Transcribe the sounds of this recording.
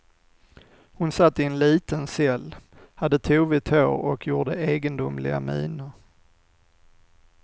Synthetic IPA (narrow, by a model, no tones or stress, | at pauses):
hʊnsat̪ːɪɛnliːt̪ənsɛlː | had̪ːət̪ʰuːvɪt̪ʰoːɾɔkʰjuːɖəeːɡənd̪ʊmlɪɡa̰mḭːnəɾ